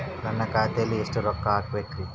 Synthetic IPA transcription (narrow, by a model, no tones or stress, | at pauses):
ɾɐnːɐkaːjt̪eliːsʈəɾɔkːaːkʋekɾi